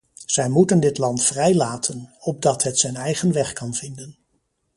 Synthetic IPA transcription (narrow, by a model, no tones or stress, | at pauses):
z̥ɛjmutəndɪtlɑntfrɛjlaːtʰənɔb̚dɑtɦətsɛjnɛjχənʋɛχkɑnv̥ɪndən